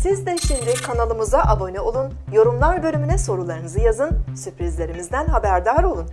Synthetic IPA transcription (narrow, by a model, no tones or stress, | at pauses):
sizd̪ɛʃimd̪ikʰanalˠɯmuzaʔabo̞nɛo̞lˠunjo̞ɾumlˠaɾbø̞lʲymynɛso̞ɾulˠaɾɯnɯzɯjazɯnsypɾizlʲe̞ɾimizd̪ænɦabæɾd̪aɾo̞lˠun